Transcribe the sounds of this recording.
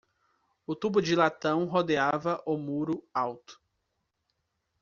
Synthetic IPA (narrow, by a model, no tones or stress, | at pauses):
ʊt̪ubʊd͡ʒɪlat̪ɐ̃w̃ɦod̪eavɐʔʊmuɾʊawt̪ʊ̥